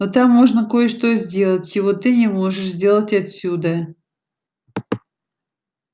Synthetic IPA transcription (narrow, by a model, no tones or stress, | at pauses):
not̪amːoʐnəkojəʂt̪ozʲdʲe̞lˠətʲjɪvot̪ːɨnʲɪmoʐɨʂzʲdʲe̞lˠətʲɐtsʲud̪ə